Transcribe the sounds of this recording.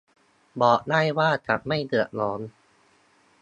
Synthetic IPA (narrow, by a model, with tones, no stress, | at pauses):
bɔː˨˩ʔdaː˥˩jwaː˥˩t͡ɕa˨˩ʔma˥˩jdɯ˨˩əʔ̚lɔː˨˦˥n